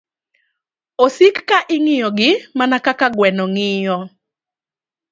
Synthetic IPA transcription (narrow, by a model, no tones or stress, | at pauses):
osikːaʔɪŋɪjɔɡɪmanakakaɡwɛnɔŋɪjɔ